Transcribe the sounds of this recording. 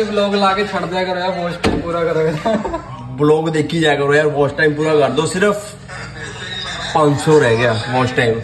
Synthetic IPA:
ebloːɡlaːket͡ʃʰəɽd̪jaːkəɾoːjaːpɔːsʈʈaːimpuːɾakəɾoɡe | bloːɡd̪eːkʰiːd͡ʒaːkəɾoːjaːɾpɔːsʈʈaːimpuːɾakəɾd̪osɪɾəpʰ | pə̃nsoːɾɛːɡɪjaːpɔːsʈʈaːim

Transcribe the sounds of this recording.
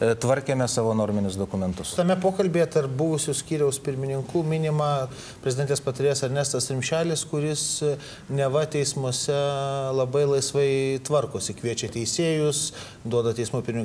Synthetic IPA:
t̪ʋɐɾʲkʲeːmʲɛsɑːʋoːnoːɾʲmʲɪnʲʊsd̪oːkʊmʲɛnt̪ʊst̪ɐmʲɛpoːkɐlʲbʲeːjɛt̪ɐrp̚bʊʋʊsʲʊsʲkʲiːɾʲɛʊspʲɪɾʲmʲɪnʲɪŋkuːmʲɪnʲɪmɑː | pʲɾʲɛzʲd̪ʲɛnt̪ʲeːspɐt̪ɐɾʲeːjsɐɾʲnʲeːst̪ɐst̪ʲɾʲɪmʲʃʲæːlʲɪskʊɾʲɪs | nʲɛʋɐt̪ʲɛɪsmuɔsʲɛlˠɐbɐɪlˠɐɪsʋɐɪt̪ʋɐrkʊsʲɪkʋʲiɛt͡ʃʲɛt̪ʲɛɪsʲeːjʊs | d̪uɔd̪ɐt̪ʲɛɪsmuːpʲɪmʲnʲɪ

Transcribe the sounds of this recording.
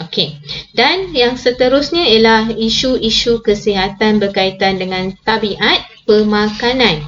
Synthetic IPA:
okedanjaŋsət̪əɾʊsɲãijalahiʃuiʃukəsiɦat̪anbərkait̪andəŋãnt̪abiʔat̪̚pəmãkanãn

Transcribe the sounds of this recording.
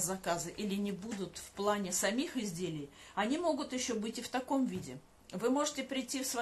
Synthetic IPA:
zɐkazəʔilʲɪnʲɪbud̪ʊt̪fplˠanʲɪsɐmʲixɪzʲdʲelʲɪjɐnʲimo̞ɡʊt̪jɪɕːobɨtʲɪft̪ɐko̞mvʲidʲɪ | vɨmo̞ʐɨtʲɪpɾʲɪjtʲːifsvɐ

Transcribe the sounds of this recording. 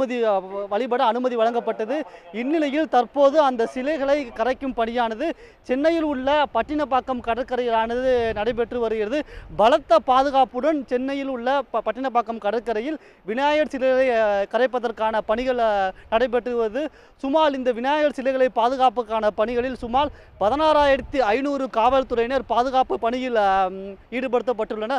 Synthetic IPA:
ɐðiʋɐɭɪpɐɽɐːnɯmɐðiʋɐɻɐŋɡɐpːɐʈːɐðɯɪnːɪlɐjɪlt̪ɐrpoːðɯɐnd̪ɐsɪlɐɪɣɐɭɐɪkɐɾɐɪkːɯmpɐɳɪjaːnɐðɯ | t͡ʃɛnːɐjɪlʊɭːɐpɐʈːɪnɐpːaːkːɐmkɐɽɐkːɐɾɐjɪlaːnɐðɯnɐɽɐɪp̬ːɛʈrɯʋɐɾɯɣɪrɐðɯbɐlɐt̪ːɐpaːðɯɣaːpɯɽɐnt͡ʃɛnːɐjɪlʊɭːɐpɐʈːɪnɐpːaːkːɐmkɐɽɐkːɐɾɐjɪl | ʋɪnaːjɐɾsɪlɐɣɐɭɐɪkɐɾɐɪpːɐðɐrkaːnɐpɐɳɪɣɐɭnɐɽɐɪp̬ːɛʈrɯʋɐðɯ | sʊmaːlɪnd̪ɐʋɪnaːjɐɾsɪlɐɣɐɭɐɪpːaːðɯɣaːpɯkːaːnɐpɐɳɪɣɐɭɪlsʊmaːl | pɐðɐnaːɾaːjɪɾɐt̪ːiɐɪnuːɾɯkaːʋɐlt̪ʊrɐɪnɐɾpaːðɯɣaːpɯpɐɳɪjɪl | iːɽɯpɐɽɯt̪ːɐpːɐʈːɯɭːɐnɐ

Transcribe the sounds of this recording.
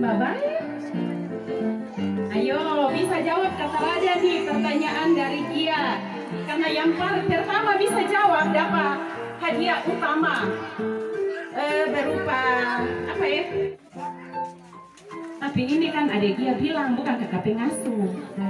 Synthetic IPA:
babaət̚ | ajoaobisad͡ʒawap̚kat̪alad͡ʒanipərt̪aɲaʔandaɾidia | karnajaŋpart̪ərsamabisad͡ʒawap̚dapa | hadiaʔut̪ama | əbəɾupaː | paja | t̪apiinikanadadiabilaŋbukankakapɛŋasu

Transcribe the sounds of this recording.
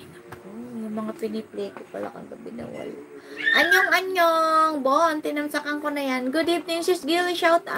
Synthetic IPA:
ʔoʔjʊŋmɐŋapɪniplɛjkopɐ̰la̰kɐ̰ŋɡɐbɪnɐ̰wɐ̰la̰ʔʔɐɲoŋʔɐɲoŋboʔont̪ɪnɐmsakɐŋkonɐjanɡʊd̪ivnɪŋsɪsɡiliʃawt̪a̰

